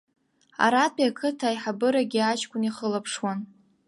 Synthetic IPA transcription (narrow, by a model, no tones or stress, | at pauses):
a̰ɾapʰʼiakʰɨtʰajħabɨɾaɡʲiat͡ʃkʷʼʊniχəlapʰʂwan